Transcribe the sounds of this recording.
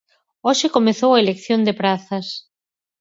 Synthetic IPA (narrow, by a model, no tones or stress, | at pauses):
oʃɪkomeθowɐelekθjond̪epɾaθɐs